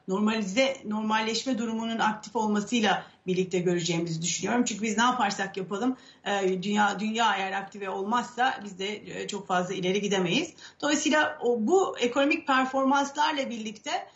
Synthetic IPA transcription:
no̞ɾmalʲzɛno̞ɾmalʲːɛʃmɛd̪uɾumununak̚t̪ʰifo̞lˠmasɯjlˠa | biɾlʲic̚t̪ʰɛɟø̞ɾyd͡ʒeːmizid̪yʃynyjo̞ɾumt͡ʃʰyɲʲcybiznɛapaɾsakjapalˠɯmː | d̪ynjaːd̪ynjaːejæɾak̚t̪ʰivɛo̞lˠmasːabizd̪ɛɛt͡ʃʰo̞kfazlˠailʲe̞ɾiɟid̪e̞me̞jiz̥d̪̥o̞lˠajsiːlʲˠaobuekʰo̞no̞mic̚pʰæɾfo̞ɾmanslˠaɾlˠabiɾlʲict̪ʰɛ

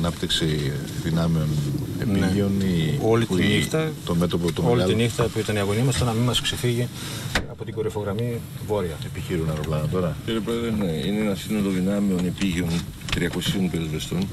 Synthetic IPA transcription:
nɐpt̪iksiðinɐmeo̞nḛpnieonio̞liinixt̪ɐt̪ome̞t̪o̞pot̪oolit̪inixt̪ɐpuit̪ɐniɐɣo̞nimɐst̪onɐmimɐsksefiʝi | ɐpo̞t̪iɡo̞ɾifo̞ɣɾɐmi | vo̞ɾiɐepiçiɾunɐɾoplɐnɐt̪o̞ɾɐciɾiepɾoeðɾeneineenɐsinoloðinɐmeo̞nepiʝeon | t̪ɾiɐko̞sionpeɾezvest̪un

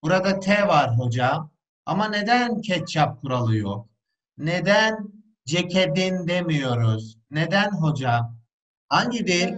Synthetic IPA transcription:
b̥uɾad̪at̪ʰɛvaɾɦo̞d͡ʒa | a̰mane̞d̪æncʰɛt͡ʃt͡ʃʰap̚kʰuɾalˠɯjok̚ | ned̪æn | d͡ʒecʰed̪ind̪emijo̞ɾuz̥ | ned̪ænɦo̞d͡ʒa | haɲɟid̪ejilʲ

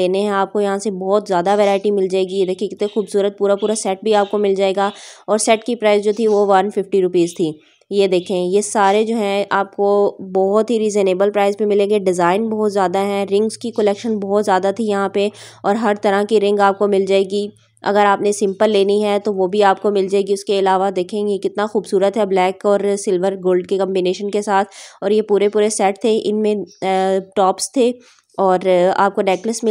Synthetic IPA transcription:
eːneɦɛ̃aːp̚kojɐɦãsebɔːt̪zjaːd̪aʋɛːɾaːɪʈimɪld͡ʒaːeːɡied̪eːkʰikt̪exuːbsuːɾət̪̚puːɾapuːɾasɛːʈ̚bʱiaːp̚komɪld͡ʒaːeːɡaːɔːɾsɛːʈkipɾaːɪsd͡ʒoːt̪ʰiʋoʋɐɾnfɪfʈiɾʊpiːzt̪ʰiː | jed̪eːkʰẽjesaːɾed͡ʒoːɦɛ̃aːp̚kobɔɦʊt̪ɦiɾiːzeneːbəlpɾaːɪzpemɪlẽːŋɡeɖɪzaːɪnbɔːt̪zjaːd̪aɦɛɾɪ̃ŋɡzkikəlɛːkʃənbɔːt̪zjaːd̪at̪ʰijɐɦãpe | ɔːɾɦɐɾt̪ɐɾãkiɾɪ̃ŋɡaːp̚komɪld͡ʒaːeːɡi | ɐ̰ɡəɾaːpnesɪ̃mpəlːeːniɦɛt̪oʋobʱiaːp̚komɪld͡ʒaːeːɡiʊskeɪlaːʋad̪eːkʰẽːɡekɪt̪naxuːbsuːɾət̪ɦɛblɛːkɔːɾsɪlʋəɾɡoːlɖ̚kekɐ̃mbineːʃənkesaːt̪ʰɔːɾjepuːɾepuːɾesɛːʈt̪ʰeʔɪnmẽ | ʈɔːpst̪ʰe | ɔːɾa̰ːp̚koɖɛːkləsmɪ

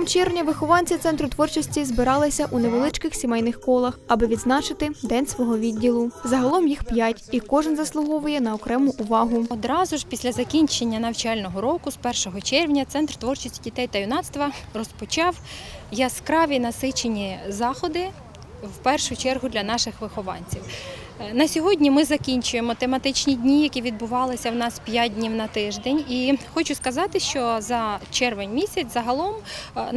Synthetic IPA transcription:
mt͡ʃɛrʋnʲɐʋɪxɔʋɑnʲt͡sʲit̪sɛnt̪ɾʊt̪ʋɔrt͡ʃɔsʲtʲizbɪɾɑlˠɪsʲɐʔuneʋelˠɪt͡ʃkɪxsʲimɛjnɪxkɔlˠɐxɐbɪʋʲid̪znɑt͡ʃɪt̪ɪd̪ɛnʲsʋɔɦɔʋʲidʲːilˠʊzɐɦɐlˠɔmjixpjatʲikɔʒɪnzɐslˠʊɦɔʋʊjɛnɐɔkɾɛmʊʔʊʋɑɦʊɔd̪ɾɑzʊʒpʲisʲlʲɐzɐkʲinʲt͡ʃenʲːɐnɐwt͡ʃɑlʲnɔɦɔɾɔkʊspɛrʃɔɦɔt͡ʃɛrʋnʲɐt̪sɛnt̪rt̪ʋɔrt͡ʃɔsʲtʲdʲit̪ɛjt̪ɐjʊnɑt̪st̪ʋɐrɔspɔt͡ʃɑwjɐskɾɑʋʲinɐsɪt͡ʃenʲizɑxɔd̪ɪ | wpɛrʃʊt͡ʃɛrɦʊd̪lʲɐnɑʃɪxʋɪxɔʋɑ̰nʲt͡sʲiw | nɐsʲɔɦɔdʲnʲimɪzɐkʲinʲt͡ʃʊjemɔt̪emɐt̪ɪt͡ʃnʲidʲnʲijɐkʲiʋʲid̪̚bʊʋɑlˠɪsʲɐwnɑspʲjad̚ʲdʲnʲiwnɐt̪ɪʒd̪enʲixɔt͡ʃʊskɐzɑt̪ɪʃt͡ʃɔzɐt͡ʃɛrʋenʲmʲisʲɐt͡sʲzɐɦɐlˠɔm

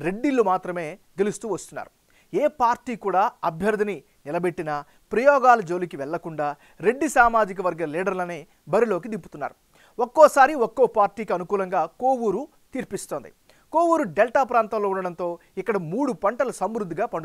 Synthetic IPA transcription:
ɾe̞ɖːilːumaːt̪ɾɐme̞ːɡe̞lust̪uːʋɐst̪unːa̰ːɾu | eːpaːɾʈiːkuːɽaːɐbʱjɐɾd̪ʱɐni | nilɐbe̞ʈːinɐ | pɾɐjɔːɡaːlɐd͡ʒo̞ːlikiʋɛɭːɐkuɳɖaː | ɾe̞ɖːisaːmaːd͡ʒik̬ɐʋɐɾɡɐliːɽɐɾlɐneː | bɐɾilo̞ːk̬id̪imput̪unːa̰ːɾu | okːɔːsaːɾiɔkːoːpaːɾʈiːkiɐnukuːlɐŋɡaːkoːwuɾu | t̪iːɾpist̪oːnd̪ḭ | ko̞ːwuɾuɖelʈaːpɾaːnt̪ɐmloːuɳɖɐɽɐnt̪o̞ːikːɐɽɐmuːɽupɐɳʈɐlɐsɐmɾud̪ːiɡaːpɐɳɖu

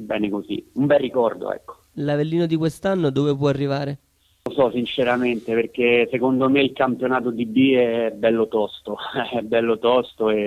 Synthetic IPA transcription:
bɛ̰ːnekozḭumbɛrːikɔrd̪o̰ɛ̰kːo̥ | lavelːiːnod̪ikwest̪anːod̪oːvep̬wɔarːivaːɾe | osɔsint͡ʃeɾament̪eperk̟esekond̪omeilkampjonaːt̪od̪ibːiɛbːɛlːot̪ɔst̪oɛbːɛlːot̪ɔst̪oe

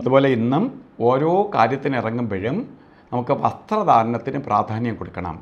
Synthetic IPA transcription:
ɐðubo̞ːle̞inːumo̞ːɾo̞ːkaːɾjɐt̪ːinirɐŋːumʋeɻɐm | nɐmukːɨʋɐst̪rɐd̪ʱaːɾɐɳɐt̪ːinuprʔaːd̪ʱaːnjɐmko̞ɽukːɐɳɐ̰m

